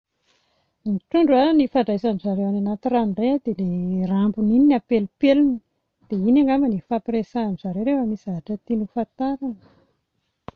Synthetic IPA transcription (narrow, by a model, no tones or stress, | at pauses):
niʈ͡ʂuɳɖ͡ʐanifaɳɖ͡ʐajsanizaɾewananat̪iranread̪elerambunininapelupeluni | d̪̥einaŋamanifapresaːnizaɾeɾewamisaɦaʈ͡ʂət̪inufat̪aɾanə̥